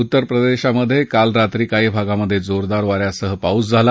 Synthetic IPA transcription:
ut̪ːəɾpɾəd̪eɕaməd̪ʱːjekalɾat̪ɾiːkaɦiːbʱaɡaməd̪ʱːjed͡zoɾd̪aɾʋaɾjasəɦəpaut͡sd͡zʱala

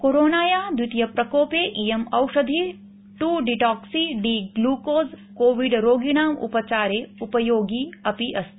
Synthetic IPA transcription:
koɾoːnaːjaːd̪wit̪jɐpɾɐkoːpeːʔijemɐwʂɐd̪ʱi | ʈuɖiʈɔːksiɖiːɡluːkoːzkoːʋiɖɾoːɡinaːmṵpɐt͡ʃaːɾeːupɐjoːɡiːɐpiʔɐst̪ʰ

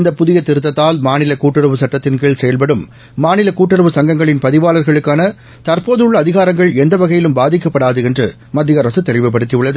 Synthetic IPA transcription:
ɪnd̪ɐpʊðɪjɐt̪ːɪɾɯt̪ːɐt̪ːaːlmaːnɪlɐkuːʈːɯɾɐʋɯsɐʈːɐt̪ːɪnkeːɭsɛjɐlp̬ɐɽɯmː | aːnɪlɐkuːʈːɪɾɐʋɯsɐŋɡɐŋɡɐɭɪnpɐðɪʋaːlɐɾɣɐɭɯkːaːnɐ | t̪ɐɾpoːðɯɯɭːɐːðɪɣaːɾɐŋɡɐɭɛnd̪ɐʋɐɣɐjɪlɯmbaːðɪkːɐpːɐɽaːðɯɛndrɯ̰ | mɐd̪ːɪɣɐɾɐsɯt̪ːɛrɪʋɐp̬ːɐɽɯt̪ːijɯɭːɐðɯ

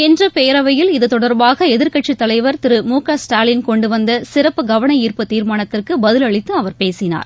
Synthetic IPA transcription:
ɛndrɯpeːɾɐʋɐjɪlɪðɯt̪ɔɽɐɾbaːɣɐɛðɪɾkɐʈt͡ʃːit̪ːɐlɐɪʋɐɾt̪ɪɾɯmuːkaːsʈaːlɪnkɔɳɖɯʋɐnd̪ɐsɪɾɐpːɯɡɐʋɐɳɐiːrpɯt̪ːiːɾmaːɳɐt̪ːɪrkɯbɐðɪlɐɭɪt̪ːɯɐʋɐɾpeːsɪna̰ːɾ

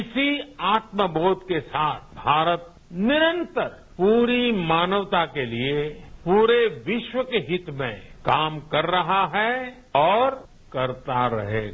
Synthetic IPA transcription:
ɪsiaːt̪məboːt̪kesaːt̪ʰbʱaːɾət̪̚ | nɪɾə̃nt̪əɾ | puːɾimaːnəʋt̪akeliepuːɾeʋɪʃwəkeɦɪt̪mḛ̃kaːmkɐɾːɐɦaɦɛ | ɔːɾ | kɐɾt̪aɾɐ̰ɦḛːɡa

